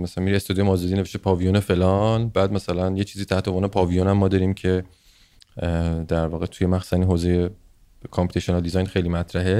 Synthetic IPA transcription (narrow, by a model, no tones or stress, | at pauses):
mæsælænmiɾiest̪ɑːd̪ijoemɒːzɔd̪ine̞veʃt̪epʰɒːvijonefe̞lɒnbæːd̪mæsælænje̞t͡ʃʰiːziːt̪ʰæht̪ʰevonpʰɒːvijonæmːɒːd̪ɒːɾimcʰe̞ | d̪æɾvɒːɣet̪ʰujemæxsu̥sæninɦoːzeje | kʰɑmpi̥t̪eʃionɑld̪izɒjnxe̞jliːmæt̪ʰɾæɦe